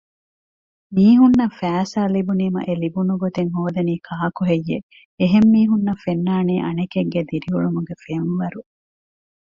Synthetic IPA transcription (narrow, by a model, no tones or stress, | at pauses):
miːɦunːɐfæːsaːlibuniːmɐ̰ʔelibunuɡot̪eŋɦoːd̪ɐniːkʰaːkuɦejːe | eɦemːiːɦunːɐfenːaːniːʔɐ̰nekeŋɡed̪iɾiuɭumuɡefenʋɐɾu